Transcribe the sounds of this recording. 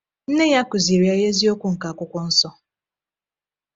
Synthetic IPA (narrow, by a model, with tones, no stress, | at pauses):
n̩˦ne˦ja˦kʊ˨zi˨ɾja˦je˦zi˦o˦kʷu˦ŋ̩˨ka˨kʷʊ˦kʷʊ˦n̩˦sɔ˦